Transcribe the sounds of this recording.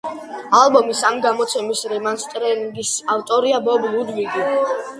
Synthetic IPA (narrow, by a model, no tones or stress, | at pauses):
alˠbɔmisamiɡamɔt̪sʰɛmisɾɛmanst̪ʼɾɛniŋɡisaft̪ʼɔɾiabɔblud̪wiɡi